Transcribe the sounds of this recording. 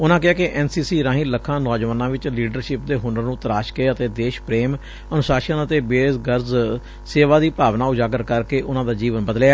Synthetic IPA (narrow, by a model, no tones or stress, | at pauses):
ʊnãːkɪaːkɪʔɛːnsiːsiːɾãːɦɪləkʰːãːnɔːd͡ʒʋaːnãːʋɪt͡ʃliːɖəɾʃɪpd̪eːɦʊnɖəɾnũːt̪əɾaːʃkeːət̪eːd̪eːʃpɾeːm | ənʊsaːʃənət̪eːbeːsɡəɾz | seːʋaːd̪iːpaːʋnaːʊd͡ʒaːɡəɾkəɾkeːʔʊnãːd̪aːd͡ʒiːʋənbəd̪leaː